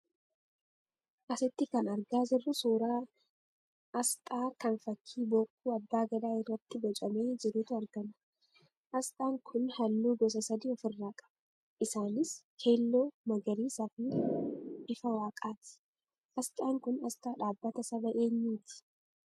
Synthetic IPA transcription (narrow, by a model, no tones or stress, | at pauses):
ʔɐsɪt̪ːɪkɐnɐɾɡaːzɪrːʊsoːɾaː | ʔɐst̪ʼaːkɐnfɐkʰːiːboːkʼːuːɐb̪ːaːɡɐd̪aːɪrːɐt̪ːɪbɐt͡ʃʼɐme̞ːd͡ʒɪɾuːt̪ʊɐɾɡɐnɐ̥ | ʔɐst̪ʼaːŋkʰʊnhɐlːuːɡɔs̬ɐsɐd̪iːɔfɪrːaːkʼɐ̥bɐ | ʔɪsaːnɪshe̞ːlːo̞ːmɐɡɐɾiːsɐfiː | ʔɪfɐwaːkʼaːt̪ɪ̥ | ʔɐst̪ʼaːŋkʊnɐst̪ʼaːᶑaːbːɐt̪ɐsɐbɐʔe̞ːɲːuːt̪ʰɪ̥